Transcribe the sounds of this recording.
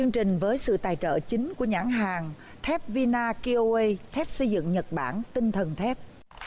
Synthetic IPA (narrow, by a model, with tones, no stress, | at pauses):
t͡ɕɨ˧əŋt͡ɕï˨˩ŋ̟vəː˨˦jsɨ̰˧˨t̪aː˨˩jt͡ɕə̰ː˧˨t͡ɕï˨˦ŋ̟ku˧˩əɲaː˧˩nɦaː˨˩ŋ | t̪ʰɛ˦˥p̚vi˧naː˧ki˧ʔo˧e˧jt̪ʰɛ˦˥p̚sə˧jzɨ̰˧˨ŋɲə˨˩t̚ɓa̰ː˧˩nt̪ï˧ŋt̪ʰə˨˩nt̪ʰɛ˦˥p̚